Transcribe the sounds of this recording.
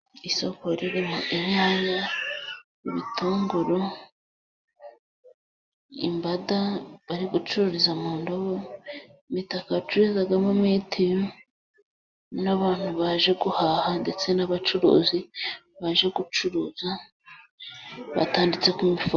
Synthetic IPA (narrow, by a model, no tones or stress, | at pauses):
iso̞koɾiɾimoʔiɲaːɲa | uβitʰoːŋɡuɾo | ḭmbadaβaɾiɡut͡ʃuɾoɾizamoːndoβo | mitakat͡ʃuɾezaɡamumetʰio | naβaːn̥huβaʒe̞ɡuhahande̞t͡se̞naβat͡ʃuɾo̰ːzi | βaʒe̞ɡut͡ʃuɾoːza | βa̰taːndit͡se̞kumifo